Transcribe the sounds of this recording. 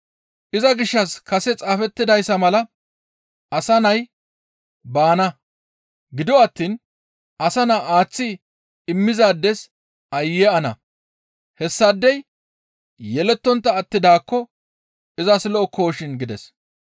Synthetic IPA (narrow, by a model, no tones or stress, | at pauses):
ʔɪzɐɡɪʃːɐskɐsɛt͡sʼaːfɛt̪ːɪd̪ɐjsːɐmɐlɐ | ɐsɐnɐj | baːnɐ | ɡɪd̪ɔɐt̪ːiːn | ʔɐsɐnaːʔaːt͡sːɪ | ɪmːɪzaːd̪ːɛs | ʔɐjːɛɐnɐ̰ | hɛsːɐd̪ːɛj | jɛlɛt̪ːɔnt̪ːɐːt̪ːɪd̪aːkːɔ | ɪzɐsɪlɔɔko̞ːʃɪnɡɪd̪ɛs